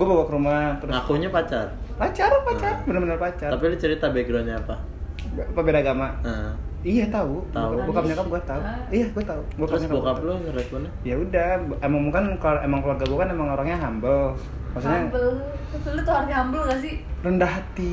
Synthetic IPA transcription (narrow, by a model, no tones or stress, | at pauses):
ɡuabawakəɾumaht̪ɾʊsakuɲapat͡ʃarpat͡ʃarpat͡ʃarbənərbənərpat͡ʃat̪apilɛt͡ʃəɾit̪abeɡɾoɲaːpa | pəbedaɡamaəijat̪aut̪aubuakapɲakap̚ɡuat̪au | ijaɡuat̪auɡuak̪aɾʊsɲakaokaplokərɛpunajaudahbemaŋmukankaemaŋkluarɡabukanemaŋoɾaŋɲaɦambəl | maksuɲabəslut̪oharɲaɦambəlɡas̬irəndaɦat̪i